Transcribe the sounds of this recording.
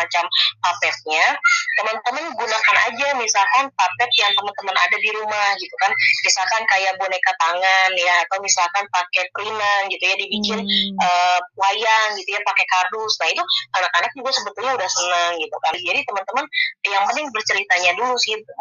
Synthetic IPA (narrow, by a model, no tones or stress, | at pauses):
at͡ʃampapɛt̪̚ɲat̪əmənt̪əmənɡunakana̰d͡ʒamisalkanpapɛp̪̚jaŋt̪əmənt̪əməna̰dadiɾumahɡit̪ukanmisalkankajaʔbunajkət̪aŋanjaːt̪awmisalkanpakɛpɾinanɡit̪ujadibikɪnʔəp̚uajaŋɡit̪ujapakɛkadʊsnahit̪uanakanak̚d͡ʒuɡasəbət̪ulɲaudahsənəŋɡit̪ukand͡ʒadit̪əmənt̪əmənjaŋpənɪŋbərt͡ʃəɾit̪aɲadulusi